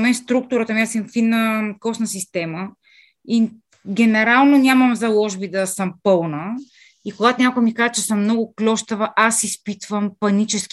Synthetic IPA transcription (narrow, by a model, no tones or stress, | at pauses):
mɛnst̪ɾuk̚t̪ʊɾət̪əmiasɛnfinːəkɔsnɐsist̪ɛmə | i | ɡʲɛnɛɾalˠnonʲaməmzɐlˠɔʒbid̪ɐsəmpɤlˠnə | ikoɡat̪onʲakʊjmikaʒət͡ʃɛsəmːnɔɡʊklʲɔʃt̪əvəʔasispit̪vəmpɐnit͡ʃɛsk